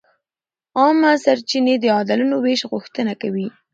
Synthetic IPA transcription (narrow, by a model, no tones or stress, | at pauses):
ɑmasaɾt͡ʃined̪əɑd̪alunoweʃɣʊxt̪ənakawi